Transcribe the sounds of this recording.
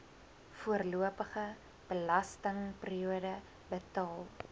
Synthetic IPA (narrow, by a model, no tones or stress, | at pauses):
fuərluəpəχə | b̥əlɐstəŋpriuədə | bətɑːlˠ